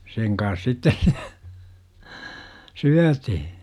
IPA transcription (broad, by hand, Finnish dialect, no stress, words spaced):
seŋ kɑns sitːes s syætihi̥